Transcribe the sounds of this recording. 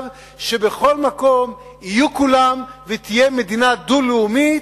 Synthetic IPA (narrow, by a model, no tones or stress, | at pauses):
v | ʃe̞be̞χo̞lmako̞m | ijukulamvet̪ijemed̪inad̪uleumi